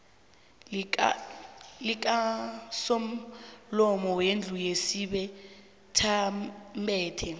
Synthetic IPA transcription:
lik̬ʼasom̩lɔmɔwend͡ɮʱujesiɓɛ | tʰambɛːtʰɛ

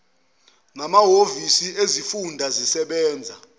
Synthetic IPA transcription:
namaɦovisiezifundʱazisɛɓɛːnd͡zʱa

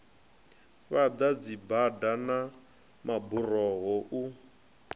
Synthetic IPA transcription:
βad̪ad͡zibadana | maburɔɣɔʔu

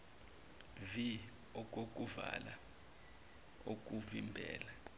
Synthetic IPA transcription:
vi | ɔk̬ʼok̬ʼuva̰la | ok̬ʼuvimbʱɛ̰ːla

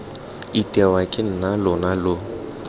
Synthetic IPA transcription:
itʼɛwakʼɪn̩nalʊnalʊ

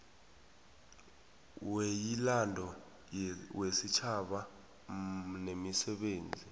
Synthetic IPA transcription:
wejilandʱɔ | wesit͡ʃʰaɓa | nemisɛɓeːnd͡zʱi

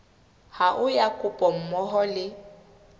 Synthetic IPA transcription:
haʔʊjakʼʊpʼɔm̩mɔɦɔlɪ

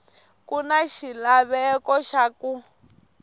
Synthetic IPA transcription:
kunaʃilaβɛkɔʃaku

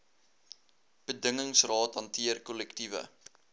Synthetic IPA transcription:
b̥ədəŋəŋsrɑːtɦɐntiərkɔlɛktivə̰

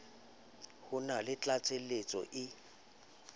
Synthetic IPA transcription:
hʊnalɪt͡ɬʼat͡sʼelet͡sʼɔ̰ʔɪ

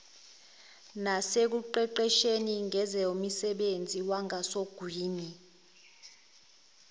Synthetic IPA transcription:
nasek̬uǃɛǃɛʃeniŋʱɛzɛumisɛɓend͡zʱiwaŋʱasoɡ̥ʱwiːni

